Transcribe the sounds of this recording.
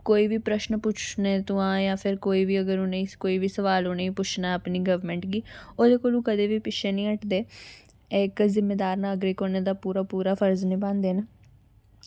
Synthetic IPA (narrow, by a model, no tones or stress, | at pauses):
koːiːʋiːpɾəʃnpʊt͡ʃʰneːt̪ʊãːjãːpʰɪɾkoːiːʋiːəɡəɾoneĩːkoːiːʋiːsəʋaːloːneĩːpʊt͡ʃʰnaːəpniːɡəʋmɛ̃ːɳʈɡiːoːd̪eːkoːlũːkəd̪eːʋiːpɪʃʰeːnĩːəʈd̪eː | ekzɪmːeːd̪aːɾnaːɡɾiːkoːneːd̪aːpuːɾaːpuːɾaːpʰəɾznĩːbãːnd̪eːnː